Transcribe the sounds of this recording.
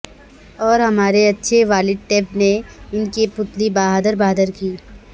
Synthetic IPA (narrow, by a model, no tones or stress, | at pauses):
ɔːɾɦɐmaːɾeɐtːʃʰeʋaːlɪd̪̚ʈeːpneɪnkipʊt̪libaːɦad̪əɾbaːd̪əɾkiː